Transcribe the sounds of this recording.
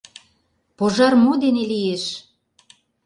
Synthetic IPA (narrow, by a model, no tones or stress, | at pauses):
poʒɑrmod̪enelijeʃ